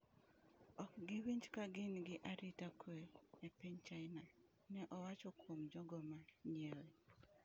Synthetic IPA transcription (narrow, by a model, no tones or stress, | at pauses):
ɔk̚ɡɪwiɲd͡ʒkaɡɪnɡɪʔaɾitakwɛepiɲt͡ʃaɪna | nɛʔɔwat͡ʃɔkwomd͡ʒɔɡɔmaɲjɛle